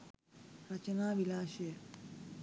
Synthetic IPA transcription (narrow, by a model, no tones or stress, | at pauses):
ɾɐt͡ʃənaːʋilaːʃe